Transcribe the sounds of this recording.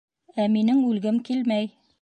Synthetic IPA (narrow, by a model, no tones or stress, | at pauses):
æminɘŋʉlɡɘmkilmæj